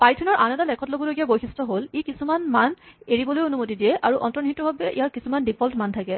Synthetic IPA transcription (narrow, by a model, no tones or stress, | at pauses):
pajtʰunɔɹʔanɛtalɛkʰɔtlobɔlojɡijabojxʰistɹɔɦolikisumanmaneɹibɔlojonumot̬idijɛʔaɹuʔɔntɔnitːɔbʱabɛʔḭjaɹkisumandipʰɔltmantʰakɛ